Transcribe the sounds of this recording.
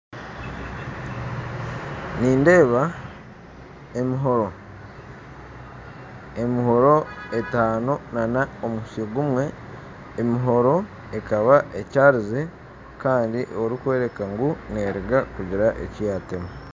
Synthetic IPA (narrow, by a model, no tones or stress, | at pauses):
niːnde̞ːβa | emiɦo̞ɾo̞ | e̞miɦoɾo̞e̞taːno̞nanaomusioɡumwe̞ː | miɦo̞ɾo̞ | ekaβaʔecaːɾize̞ | kaːndiʔo̞ɾikwe̞ːɾe̞kaŋɡune̞ːɾiɡakuɟiɾaʔḛcijatemu